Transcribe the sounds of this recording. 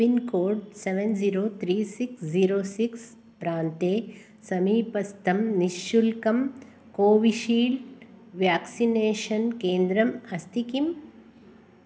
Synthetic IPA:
inkoːɖseʋenziɾoːt̪ʰɾiːsiksd͡ʒiːɾoːsiks | pɾaːnt̪eː | sɐmiːpɐst̪ʰɐmniʃjulkɐm | koːʋiʃiːlʋjaːksineːʃɐnkeːnd̪ɾɐmɐst̪ikim

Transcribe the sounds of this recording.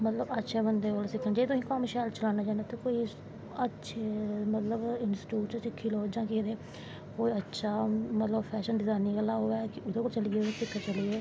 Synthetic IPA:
mət̪ləbətːʃʰeːbənd̪eːolsɪkʰːənd͡ʒeːt̪ʊĩːkamʃɛːlt͡ʃəlaːnaːd͡ʒãːneːt̪ekoːi | ətːʃʰemət̪ləbɪnsʈuːt͡ʃsɪkʰːiːloːd͡ʒãːkid̪eː | koːiətːʃʰaːmət̪ləbpʰɛːʃənɖɪzaːniɡəlːaːɦoːɛːkɪʔʊd̪oːkolt͡ʃəliesɪkʰːat͡ʃəlieː

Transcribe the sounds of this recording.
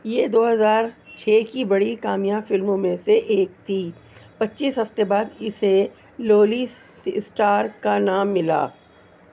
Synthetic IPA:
jeːd̪oːɦɐzaːɾt͡ʃʰɛːkibɐɽikaːmijãːfɪlmõmẽseʔeːk̚t̪ʰiː | pɐtːʃiːsɦɐft̪ebaːd̪ɪse | loːliɪsʈaːɾkanaːmːɪla̰ː

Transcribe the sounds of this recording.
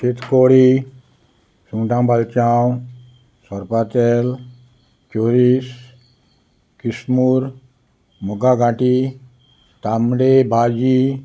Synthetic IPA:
set̪koɽi | sũŋʈãmbalt͡ʃaw | sɔɾpat̪ɛl | t͡ʃoɾis | kismuɾ | muɡaɡãʈi | t̪amɽebʱad͡ʒi

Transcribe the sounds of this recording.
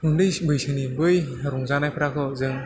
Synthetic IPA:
hundɯjbɯjsɯnibɯj | ɾuŋzanajpʰɯɾakʰɯzɯŋ

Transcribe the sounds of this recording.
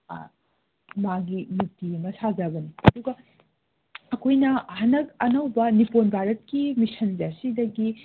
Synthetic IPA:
maɡinuk̚timɐsazɐbɐniɐduɡɐ | ɐkʰojnɐhɐnɐkɐnɐwbɐniponbʱaɾɐt̚kimisɐnzasidɐɡi

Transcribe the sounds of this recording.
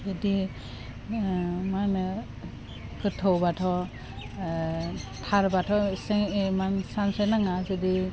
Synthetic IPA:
zedi | man | kɯtʰɔwbatʰɔ | tʰaɾbatʰɔsemansansenaŋazedi

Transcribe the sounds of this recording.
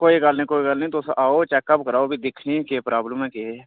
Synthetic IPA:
koːiɡəlnĩkoːikəlnəĩt̪osʔaːot͡ʃɛːkəpkəɾaːobʱid̪ɪkʰnikepɾaːbləmɛ̃ke

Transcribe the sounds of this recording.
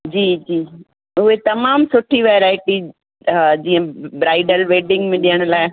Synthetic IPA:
d͡ʑiːd͡ʑiː | ʊɦet̪ɐmaːmsʊʈʰiʋeɾaːɪʈi | d͡ʑĩːə̃bɾaːɪɖəlʋeːɖɪ̃ŋɡmẽɗijəɽ̃laːɪ

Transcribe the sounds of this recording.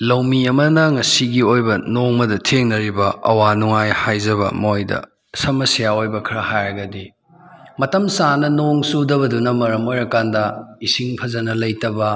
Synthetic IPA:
lɐwmiɐmɐnɐŋɐsiɡiojbɐnoŋmɐdɐtʰeŋnɐɾibɐɐ̰wanuŋajhajzɐbɐ̰mojdɐ̰ | sɐmɐsijaojbɐkʰɾɐhajɾɐɡɐdi | mɐtɐmsanɐnoŋsudɐβɐdunɐmɐɾɐmojɾɐkandɐisiŋpʰɐzɐnɐlɐjtɐbɐ

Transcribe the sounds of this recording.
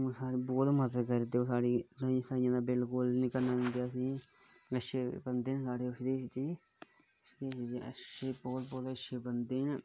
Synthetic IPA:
saːɽiːbɔːt̪məd̪ət̪kəɾet̪ːeːoːsaːɽiːɾãsaːɪjãːd̪aːbɪlkʊlnɪkəɾnaːd͡ʒãːnd̪ejaːəsĩː | əʃeːbənd̪eːnsaːɽeːʊʃd̪eːst͡ʃiː | ʃd̪eːsd͡ʒəʃeːbɔːt̪bɔːt̪əʃeːbənd̪eːn

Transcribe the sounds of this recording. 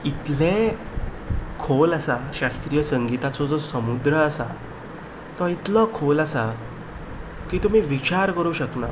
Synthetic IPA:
it̪lẽ | kʰolasaɕast̪ɾiːjəsəŋɡit̪at͡sɔd͡zɔsəmud̪ɾəasa | t̪ɔit̪lɔkʰoləsa | kiːt̪um̤iːʋit͡ɕaɾkəɾuːɕəkna

